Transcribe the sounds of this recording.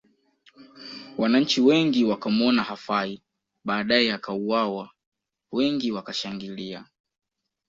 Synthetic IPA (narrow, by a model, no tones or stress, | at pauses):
wanaɲ̩t͡ʃiwɛŋɡiwakamɔnahafai | ɓaːɗajɛakauwawa | wɛŋɡiwakaʃaŋɡilia